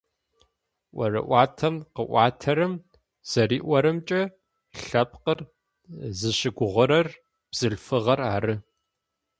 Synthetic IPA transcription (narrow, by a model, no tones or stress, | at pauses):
ʔʷɐrɨ̰ʔʷɑːtʰɐmqəʔʷɑːtʰɐɾɨm | z̥ɐriːʔʷɔɾɨmt͡ʃʼɐ | ɬɐp̚ʰqər | zɨɕɪɡʷʊʁʷʊɾɐr | b̥z̥ɨɬfɨʁɐraːɾɨ